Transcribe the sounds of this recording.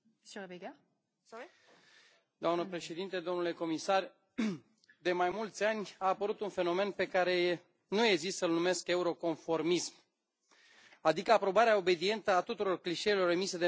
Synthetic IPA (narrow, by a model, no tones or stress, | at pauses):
sobeɡa | d̪oamnəpɾe̞ʃe̞d̪int̪ed̪o̞nule̞ko̞misar | d̪e̞majmult̪sʲanʲaːpəɾut̪unfe̞no̞me̞npe̞kaɾe̞ | nujeɡzistsəɨlnume̞ske̞uɾo̞ko̞nfo̞rmism | ad̪ikəapɾo̞baɾeaobe̞d̪ie̞nt̪əat̪ut̪uɾo̞rkliʃe̞jlo̞remise̞d̪e